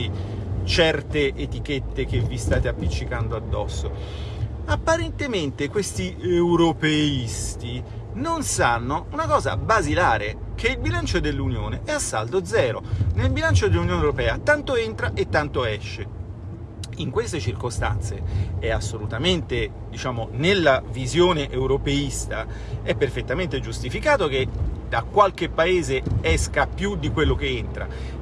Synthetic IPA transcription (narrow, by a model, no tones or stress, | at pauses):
it͡ʃɛrt̪eʔet̪iket̪ːek̟evːist̪aːt̪eapːit͡ʃːikand̪oad̪ːɔ̰sːo | apːaɾent̪ement̪ekwest̪ieuɾopeist̪i | nonsanːounakɔːza̰bazilaːɾe | kʰeilbilant͡ʃod̪elːunjoːneʔɛasːa̰ld̪od̪zɛːɾo̰nelbilant͡ʃod̪elːunjoːnewɾopɛːat̪ant̪oent̪ɾaʔet̪ːant̪oɛʃːe | iŋkwest̪et͡ʃirkost̪a̰nt̪seɛasːolut̪ament̪e | d̪it͡ʃaːmonelːavizjoːneʔeuwɾopeist̪a | ɛpːerfet̪ːament̪ed͡ʒust̪ifikaːt̪ok̟ed̪̥akwalk̟epːaeːzeɛskapjud̪ikwelːok̟eent̪ɾa̰